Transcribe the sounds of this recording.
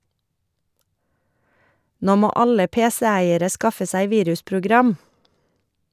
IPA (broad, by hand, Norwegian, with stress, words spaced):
ˈnoː ˈmoː ˈɑlə ˈpeːsɛ ˈæɪəɾə ˈskɑfə ˈsæɪ ˈʋiːɾʉspɾʊˌɡɾɑm